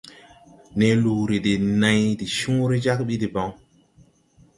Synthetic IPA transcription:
ne˨lu˨ɾi˨de˨nã˨jdi˨ʃũ˦ɾi˦d͡ʒa˦kɓi˦di˨ba˨˦ŋ

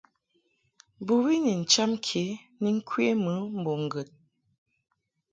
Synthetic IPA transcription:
bu˨wi˦ni˨n̩˨t͡ʃa˦mkʰe˨˦ | ni˦ŋ̩˦kʰwe˦mə˨˦m̩˨bo˨ŋ˨ɡə˨t̚

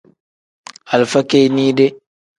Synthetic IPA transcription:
a˨lfa˦ke˦jniː˦dɛ˦

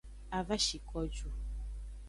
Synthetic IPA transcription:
a˨va˦ʃi˨kɔ˦d͡ʒu˦

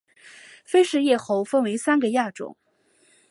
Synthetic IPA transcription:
fe˥ɪʂɻ̩˥˧jɛ˥˩xo˥˧ʊfə˥˧nwe˧˥ɪsa˥nɡə˨ja˥˩ʈ͡ʂʊ̰˨˩˦ŋ

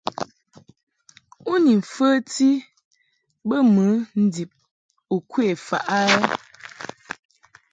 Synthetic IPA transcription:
u˦ni˨fə˦ti˦ | bə˦mə˨˦n̩˦di˨p̚ | u˨kwe˨fa̰˨ʔa˦ɛ˦

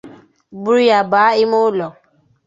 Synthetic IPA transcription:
bu˦i˦ja˨ba˨˦i˦mo˦lɔ˨

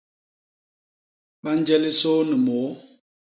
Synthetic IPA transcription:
ɓa˦n˦d͡ʒɛ˦li˦so˦nə˨mɔ˨˦

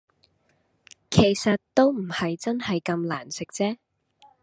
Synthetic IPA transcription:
kʰe˨˩jsɐ˨t̚t̪o˥wm̩˨˩hɐ˨jt͡sɐ˥nhɐ˨jkɐ˧mlaː˨˩nsɪ˨k̚t͡sɛː˥

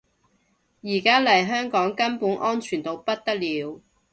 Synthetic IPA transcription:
jiː˨˩kaː˥lɐ˨˩jɦœː˥ŋkɔː˨˥ŋkɐ˥npuː˨˥nʔɔː˥nt͡ʃʰyː˨˩nt̪o˨˧wpɐ˥t̚t̪ɐ˥k̚liː˨˧w

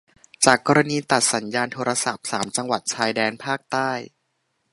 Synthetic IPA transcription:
t͡ɕaː˨˩kːɔː˧ɾa˧niː˧t̪a˨˩t̪̚sa˩˦njaː˧nt̪ʰoː˧ɾa˧sa˨˩p̚saː˩˦mt͡ɕa˧ŋwa˨˩t̪̚t͡ɕʰaː˧jdɛː˧npʰaː˥˩k̚t̪aː˥˩j

